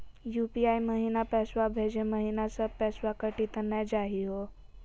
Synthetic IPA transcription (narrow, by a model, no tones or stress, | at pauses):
jupiajməɦinapɛsʋabʱed͡ʑeməɦinasəpɛsʋakəʈit̪ənːad͡ʑaɦiɦo